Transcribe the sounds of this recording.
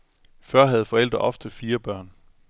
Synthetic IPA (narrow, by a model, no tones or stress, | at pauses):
fɶɐ̰ɦæð̞̩ˠfɒ̽el̰d̥ʁɐʔɒ̽fd̥əfiːɐb̥ɶɐ̰n